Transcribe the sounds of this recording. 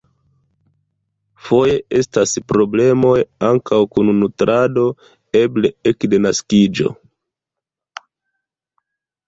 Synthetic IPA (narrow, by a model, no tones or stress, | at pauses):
fo̞je̞ʔe̞staspɾo̞ble̞mo̞jaŋkawkunnutɾʔado̞ | e̞ble̞ekde̞naskid͡ʒo̞̰